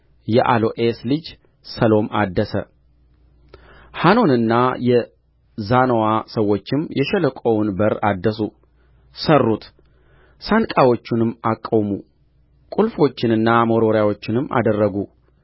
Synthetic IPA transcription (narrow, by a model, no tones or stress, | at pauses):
jɛʔalo̞ʔeslɨd͡ʒ | səlo̞mad̪ːəsə̰ | hano̞nɨnːajɛ | zanowasəwːo̞t͡ʃːɪmjɛʃɛləkʼowʊnbəɾad̪ːəsu | sərːut̪ | sankʼawo̞t͡ʃːɪnɨmːakʼːowmu | kʼulfo̞t͡ʃːɪnɨnːamo̞ɾo̞ɾjawot͡ʃːɪnɨmːa̰d̪ərːəɡu